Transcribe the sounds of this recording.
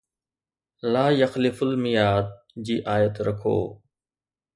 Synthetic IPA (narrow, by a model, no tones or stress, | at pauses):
laːjɐxlɪfəlmɪjaːd̪̚ | d͡ʑiːʔaːjət̪ɾɐkʰo̰ː